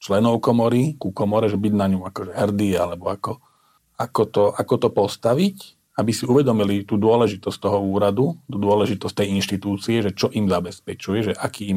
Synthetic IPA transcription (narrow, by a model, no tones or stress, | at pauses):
t͡ʃlɛnɔʊkɔmɔɾikukɔmɔɾɛʒɛbiɟnaɲuakɔʒɛɦɛrd̪ia̰lɛbɔakɔ | akɔt̪ɔʔakɔt̪ɔpɔst̪aʋic | abisiuʋɛd̪ɔmilit̪uːd̪ʊɔlɛʒit̪ɔsct̪ɔɦɔuːɾad̪ut̪uːd̪ʊɔlɛʒit̪ɔst̪ɛjinʃt̪it̪uːt͡siɛʒɛt͡ʃɔʔimzabɛspɛt͡ʃujɛʒɛʔakiːm